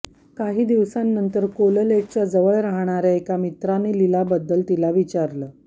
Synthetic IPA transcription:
kaɦiːd̪iʋsanːənt̪əɾkoləleʈ̚t͡ɕad͡zəʋəɭɾaɦɳaɾjaekamit̪ɾanːiːlilabəd̪ːəlt̪ilaʋit͡ɕaɾləː

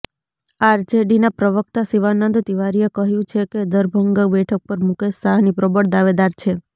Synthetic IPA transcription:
aɾd͡ʒeɖinapɾəʋək̚t̪asiʋanənd̪t̪iʋaɾijekəɦjũt͡ʃʰeked̪əɾbʱəŋɡəbɛʈʰək̚pəɾmukesaɦnipɾɔbəɽd̪aʋed̪aɾt͡ʃʰe

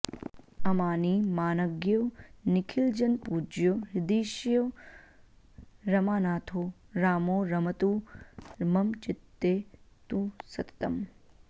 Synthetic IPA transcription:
ɐmaːniːmaːnɐɡjoːnɪkʰild͡ʒɐnpuːd͡ʒjoɦɪd̪iːʃjo | ɾɐmaːnaːt̪ʰoː | ɾaːmoːɾɐmɐt̪u | mɐmt͡ʃɪt̪ːeːt̪usɐt̪ɐ̥t̪ɐm

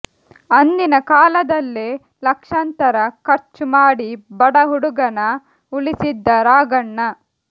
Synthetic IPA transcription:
ɐnːinɐkaːlɐd̪ɐlːe | lɐkʂɐnt̪ɐɾɐkɐɾt͡ʃumaːɽibɐɽɐɦuɽuɡɐnɐ | ulisid̪ːɐɾaːɡɐɳːɐ

